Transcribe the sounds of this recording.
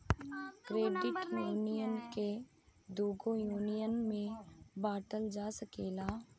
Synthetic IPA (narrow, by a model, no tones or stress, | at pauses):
kɾeːɖɪʈjuːnijənke | d̪uːɡojuːnijənmẽbaːʈəld͡ʒaːsəkeːlaː